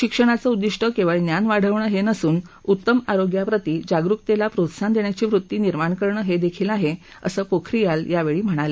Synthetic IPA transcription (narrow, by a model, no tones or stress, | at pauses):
ɕikʂəɽ̃at͡səud̪ːiʂʈəkĩwʋaɭinjanʋaɽ̤əʋɳəːɦenəsuːnut̪ːəmaɾoɡjapɾət̪iːd͡ʑaɡɾukt̪elapɾot̪sand̪eɳjat͡ɕiːʋɾut̪ːiːniɾmaɳkəɾɳəːɦed̪ekʰiːlaɦe | ə̰səːkokʰɾijaljaʋeɭiːm̤əɽ̃ale